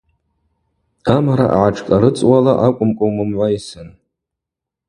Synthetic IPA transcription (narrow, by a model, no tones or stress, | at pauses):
amaɾa̰ʔʕaʈ͡ʂʰʼkʼaɾɨt͡sʼwalaʔakʷʼʊmkʷʼʊwmɨmʕʷaisɨn